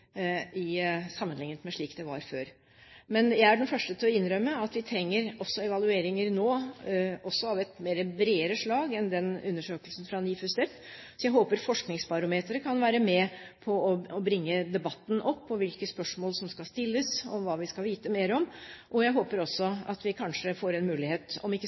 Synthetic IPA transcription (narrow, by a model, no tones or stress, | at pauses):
ɪsɑmːənlɪŋːnət̪mɛʂɭiːkd̪ɛʋɑ̰ɾføːɾ | mɛnjæɪæɖɛnfœʂʈət̪ʰɪlɔɪnːɾœmːəɑt̪ʋɪt̪ʰɾɛŋːəɾɔsːɔɛʋɑlʉeːɾɪŋəɾnoː | ɔsːɔɑʋɛt̪meːɾəbɾeːəɾəʂɭɑːɡɛnd̪ɛnʉnːəʂøːkəlsn̩fɾɑniːfʉst̪ɛpː | sɔjæɪɦoːpəɾfɔʂknɪŋsbɑɾʊmeːt̪əɾəkʰɑnʋæːɾəmɛpʰɔɔɔbɾɪŋːəd̪ɛbɑt̪ːn̩ʔɔpːɔʋɪlkəspœʂmoːlsɔmskɑlst̪ɪlːəsɔ̰mʋɑːʋɪskɑlʋiːt̪əmeːɾɔmʔɔjæɪɦoːpəɾɔsːɔɑ̰t̪ʋɪkʰɑnʂəfoːɾɛnmʉːlɪheːt̪ɔ̰mɪkːə